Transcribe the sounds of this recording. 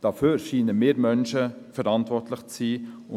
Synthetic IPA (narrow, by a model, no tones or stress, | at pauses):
d̥ɑføːɾʃiːnəmeːɾmœnʃəfɛɾɑntvɔrtlɪχt͡siːʊ